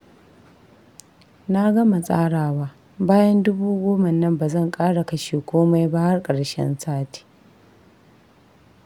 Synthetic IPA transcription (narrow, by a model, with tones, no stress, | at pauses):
na˦ɡɐ˦ma˨sʼa̰ː˦ɽaː˨waː˦ | baː˦jɐ˦ndʊ˦buː˦ɡʷoː˦ma˨nɐ˦mbaː˨zɐ˦˨ŋkʼaː˦ɽa˨kɐ˦ʃiː˨kʷoː˦ma˦jbaː˦hɐ˦rkʼɐ˨ɽʃɛ̰˦nsaː˦ti̥ː˨˦